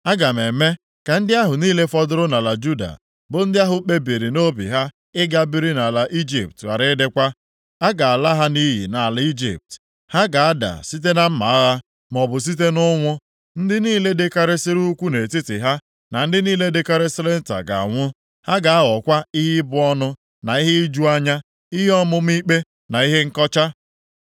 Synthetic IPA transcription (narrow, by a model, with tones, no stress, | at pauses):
a˦ɡa˨m˨e˨me˦ | ka˨n̩˦dɪ˦a˦ɦʊ˨niː˦le˦fɔ˦dʊ˦ɾʊ˦na˨la˨d͡ʒu˦da̰˨ | bʊ˨n̩˦dɪ˦a˦ɦʊ˨k͡pe˦bi˨ɾi˨no˦bḭ˨ɦa˦ | ɪ˦ɡa˦bi˦ɾi˦na˨la˨ʔi˦d͡ʒḭ˨p̚tɣa̰˨ɾɪ˦dɪ˦kʷa˦ | a˦ɡa˨a˨la˦ɦa˦ni˦ɦḭ˨na˨la˨i˦d͡ʒḭ˨p̚t | ha˦ɡa˨a˦da̰˨si˦t̬e˦na˦m̩˦ma̰˨a˦ɣa˦ | m˨ɔ˨bʊ˨s̬i˦t̬e˦nʊ˦ŋʷʊ˦ | n̩˦dɪ˦niː˦le˦dɪ˦ka˦ɾɪ˦sɪ˦ɾu˦kʷu˦ne˨tɪ˦tɪ̰˨ɦa˦ | na˨n̩˦dɪ˦niː˦le˦de˦ka˦ɾɪ˦sɪ˦le˦n̩˦ta̰˨ɡa̰˨a̰˨ŋʷʊ˦ | ha˦ɡa˨a˦ɔ˨kʷa˦i˦ɦɪ˦bʊ˦ɔ˦nʊ˦ | na˨i˦ɦɪ˦i˦d͡ʒu˦a˦ɲa˦ | i˦ɦe˦ɔ˦mʊ˦m̩˦i˦k͡pe˦ | na˨i˦ɦe˦ŋ̩˦kɔ˦t͡ʃa˦